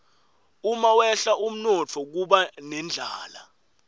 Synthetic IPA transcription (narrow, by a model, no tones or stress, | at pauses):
umawɛɬaʔum̩nɔt͡fʰɔk̬uɓanɛnd͡ɮʱaːla̰